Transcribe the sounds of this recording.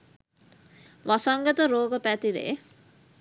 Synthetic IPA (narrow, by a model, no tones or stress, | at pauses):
ʋasaŋɡət̪əɾoːɡəpæt̪iɾḛ